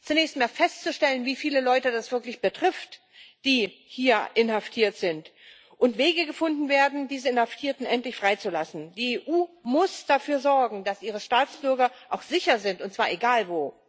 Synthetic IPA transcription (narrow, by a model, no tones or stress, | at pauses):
t͡sunɛːçstmaːlfɛstt͡suʃtɛlənviːfiːləlɔʏtədasv̥ɪɐklɪçb̥ətʁ̥ɪft | d̥iːhiːɐʔɪnhaftʰiːɐtz̥ɪnt | ʔʊntv̥eːɡəɡəfʊndn̩veːɐdn̩diːzəɪnhaftʰiːɐtn̩ʔɛntlɪçfʁ̥aɪt͡sulasn̩d̥iːeːʔuːmʊsd̥afyːɐzɔɐɡŋ̩d̥asʔiːʁ̞əʃtaːt͡sb̥ʏɐɡɐʔaʊxz̥ɪçɐzɪntʊntt͡sv̥aːɐʔeɡaːlvoː